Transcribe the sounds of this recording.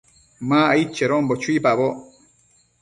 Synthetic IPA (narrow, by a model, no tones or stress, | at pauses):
mãːait͡ʃːeɾombot͡ʃuipaβo